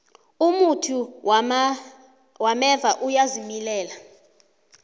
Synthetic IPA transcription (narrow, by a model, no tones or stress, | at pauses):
umutʰu | wamɛvaʔujazimilɛːla